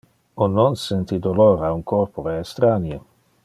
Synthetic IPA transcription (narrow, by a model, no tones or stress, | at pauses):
ononsent̪id̪oloɾauŋkorpoɾeːst̪ɾanje